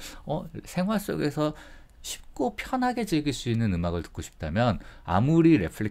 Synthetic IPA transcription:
ʌsʰe̞ŋɦwaɭs͈o̰ɡe̞sʰʌ | ɕʰi̥p̚k͈opʰjʌnɦaɡe̞d͡ʑeɡiɭs͈uinːɯnɯmaɡɯɭtɯ̥k͈oɕʰi̥p̚t͈amjʌna̰muɾiɾe̞pʰɯɭi

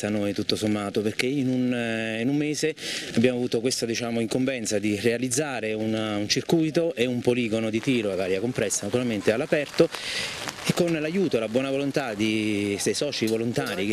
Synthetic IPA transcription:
anojt̪ut̪ːosomːaːt̪operk̟einuninumːeːzeabjaːmoavuːt̪okwest̪ad̪it͡ʃaːmoiŋkoɱvɛnt̪sad̪irealid̪zːaːɾeununt͡ʃirkujt̪oʔeumpoliːɡonod̪it̪iːɾoevaːɾjakompɾɛsːanat̪uɾalment̪ealːapɛrt̪o | ekːonlajuːt̪olabwɔːnavolont̪ad̪isesɔːt͡ʃivolont̪aːɾik

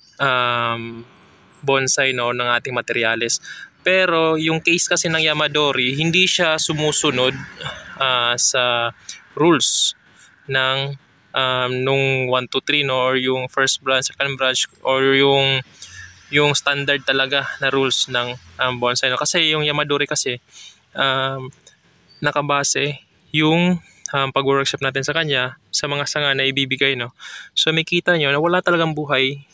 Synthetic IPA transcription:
ʔam | bonsɐjnonɐŋʔaːt̪ɪŋmɐt̪ɛɾjaːlɛspɛːɾo̞jʊŋkejskɐsɛnɐŋjɐmɐd̪o̞ɾihɪnd̪iʃasʊmuːsʊno̞d̪̚ʔaːsɐ | ɾuls | nɐŋ | ʔamnʊŋwant̪ut̪ɾino̞ʔːɹjʊŋfɛɹst̪̚bɹansɛkɐnd̪bɹant͡ʃʔoɹjʊŋ | jʊŋst̪and̪ɐɹd̪̚t̪ɐlɐɡanɐɾulsnɐŋʔɐmbonsɐjnokɐsɛjʊŋjɐmɐd̪oɾɪkɐsɛ | ʔam | nɐkɐbaːsɛ | jʊŋ | ʔɐmpɐɡwɛɹk̚ʃap̚naːt̪̬ɪnsɐkɐɲːasɐmɐŋasɐŋanɐʔɪbiːbɪɡajno̞somɐjkiːt̪ɐɲo̞nɐwɐlat̪ɐlɐɡaŋbuːɦɐj

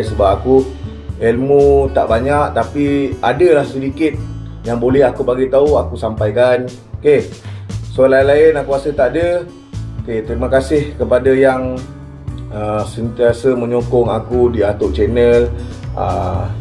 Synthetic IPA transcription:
jsəbap̚aku | elmut̪a̰ʔbaɲaʔt̪apiadəlahsədikɪt̪̚ | jaŋbolɛɦakubaɡit̪auakusampajkan | oke | solainlaɪnakuasət̪aʔdə | ket̪əɾimakasɪhkəpadajaŋ | əsənt̪iasəməɲokɔŋakudiat̪ʊʔ̚t͡ʃɛnəla̰

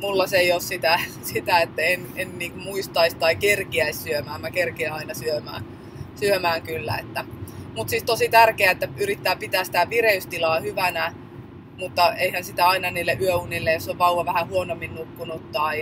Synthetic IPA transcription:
mulːɑseioːssit̪æ | sit̪æet̪ːæenenniːŋkumuist̪ɑist̪ɑikerkiæissyømæːmækerkiɑinɑsyømæ̰ː | syømæːŋkylːæ̰ḛt̪ːæmut̪siːst̪osit̪ærkeæet̪ːæyrit̪ːæːpit̪æːsi̥t̪æʋireyst̪ilɑːhyʋænæ | mut̪ːɑeihænsit̪æɑinɑniːlːeʔyøunilːejosoʋʋɑuʋɑʋæhæhuonomːinnukːunut̪ːɑi

